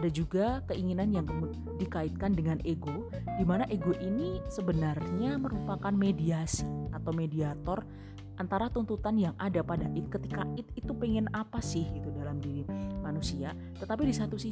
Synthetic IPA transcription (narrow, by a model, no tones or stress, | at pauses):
adad͡ʒuɡakəiŋinanjaŋt̪mu | dikaɪt̪̚kandəŋanʔeɡo | dimanaʔeɡoʔinisəbənarɲaməɾupakanmediasiat̪awmediat̪ɔr | ʔant̪aɾat̪unt̪ut̪anjaŋʔadapadaʔɪt̪̚kət̪ikaɪt̪it̪upɛŋɛnapasɪhɡit̪udalamdiɾimanusia | t̪ət̪apidisat̪usi